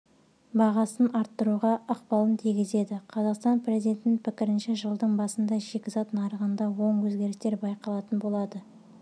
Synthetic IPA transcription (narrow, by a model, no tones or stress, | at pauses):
bɑʁɑsənɑɾt̪ːəɾuʁɑəqpɑlˠənt̪ʰijɡʲɪze̞d̪ɪqʰɑzɑqst̪ɑnpɾezid̪ʲe̞nt̪ɪnɪnpʰɪkʲɪɾɪnʃeʒəlˠd̪əɴbɑsənd̪ɑʒe̞kʲɪzɑt̪nɑɾəʁənd̪ɑwo̞ɴwɵzɡʲe̞ɾɪst̪e̞ɾbɑjqɑlˠɑt̪ənbolˠɑd̪ə